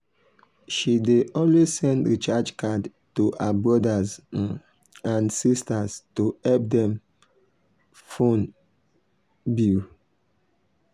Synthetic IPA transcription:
ʃideʔɔnwezsɛ̃ndɹit͡ʃad͡ʒkad | tuhabɹɔdaz | ãnsistaztuhɛp̚dɛ̃m | fõn | bu

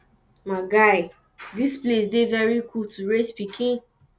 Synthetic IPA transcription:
maɡaɪ | displesdevɛɹikʰultuɹespikʰĩn

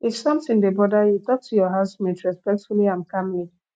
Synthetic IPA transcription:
itsʌ̃mtɪ̃nŋdebɔdajutɔk̚tʰujɔɦasmɛ̃tɹɛspɛk̚tfuliãmkãmli

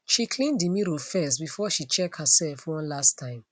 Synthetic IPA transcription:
ʃikʰlĩndimiɾofɛsbifɔʃit͡ʃɛk̚thəsɛlfwɔ̃nlastʰãɪ̃m

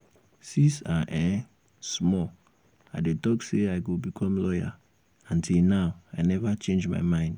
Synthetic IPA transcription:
sĩsaʔɛ̃ | smɔ | aɪdetɔkseaɪɡobikʰɔ̃mlɔja̰ | ɔ̃ntʰilnaʊaɪnɛvat͡ʃẽnd͡ʒma̰ɪmãɪ̃nd

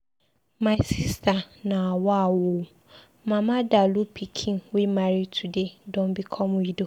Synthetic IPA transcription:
mãsistʰanãawɔawʊ | mãmãdalupʰikʰĩnwemaɾitʰudedɔ̃mbikʰɔ̃mʊ̃jido

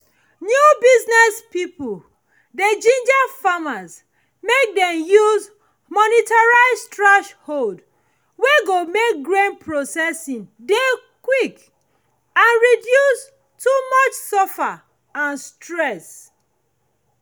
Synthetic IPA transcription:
njubiznɛspipul | ded͡ʒĩnd͡ʒafamaz | mek̚dɛ̃mjuz | mɔnitaɹaɪzstɹɛʃhold | weɡomek̚ɡɹẽnpʰɹosɛsĩnde | kwik | ãnɹidjus | tumɔt͡ʃsɔfa | ãnstɹɛs

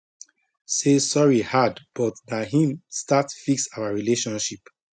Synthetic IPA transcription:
sesɔɹihadb̥ɔtnaɦĩmstatfiksawaɹileʃɔ̃nʃip

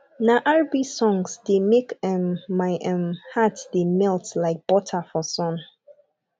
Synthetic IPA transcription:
naʔaɹbisɔ̃ŋsdemekɛmmaɪʔɛ̃mhatd̥emɛltlaɪk̚b̥ɔtʰafɔsɔ̃n

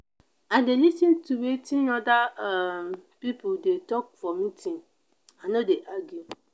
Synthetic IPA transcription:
adelisĩntʰuwetʰĩɔ̃da | pipʰoldetɔk̚fɔmĩtʰĩn | anõdeʔaɡu

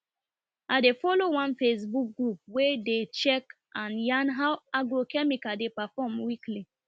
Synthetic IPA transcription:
adefɔlowãnfes̬buk̚ɡɹup̚wedet͡ʃɛk | ʔãnjãnɦawaɡɹokɛmikadepafɔmwikli

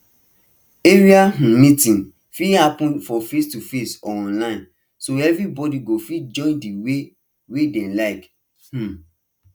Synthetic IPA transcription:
eɹiaɦ̩mitĩn | fihapũnfɔfestufesɔɔ̃nlãɪ̃n | soɛvɹibɔdiɡofid͡ʒɔ̃ɪ̃ndiwe | wedẽlaɪk | h̩

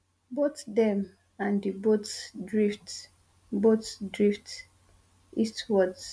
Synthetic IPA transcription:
botdɛ̃m | ãndibotsdɹift | botsdɹift | ʔistwɔds

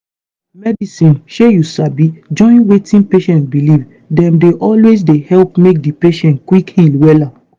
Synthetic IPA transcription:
mɛdisĩnʃejusabid͡ʒɔ̃ɪ̃nwetĩnpeʃɛ̃nt̚biliv | dɛ̃mdeʔɔlwezdehɛlp̚mek̚dipeʃɛ̃ntkwikhilwɛla

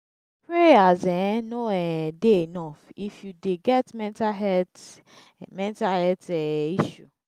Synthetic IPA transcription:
pɹeazɛnoɛdeenɔfifjudeɡɛtmɛ̃ntaɦɛt | mɛ̃ntahɛtɛiʃu

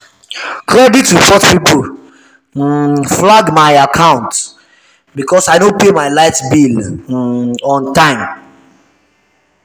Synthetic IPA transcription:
kɹɛditːusɔtpipl̩ | flaɡmaɪakʰãʊ̃nt | bikɔsaɪnõpemaɪlaɪtbil | ɔ̃ntãɪ̃m

